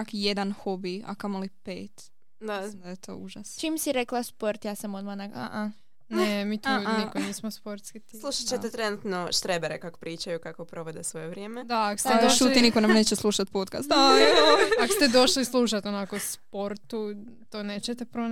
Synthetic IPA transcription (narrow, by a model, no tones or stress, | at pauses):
akjed̪anxobia̰kamolipḛːt̪ | d̪amd̪ajet̪ʰo̞̰uʒast͡ʃimsiɾeklaspo̞ɾt̪jaːsamod̪manaɡa̰ʔa | nemiːt̪unikoniːsmospoɾt̪skit̪slˠuʃat͡ʃeet̪ɾenut̪noʃt̪ɾebeɾekako̥pɾiːt͡ʃajukakopɾoʋed̪esʋojeʋɾjeːmed̪aːko̥st̪eoʃuːt̪inikonamneːt͡ɕeslˠuʃat̪̚poːt̪kast̪a | akost̪ed̪o̞ʃlislˠuːʃat̪onakospo̞ɾt̪u | t̪oːneːt͡ɕet̪epɾon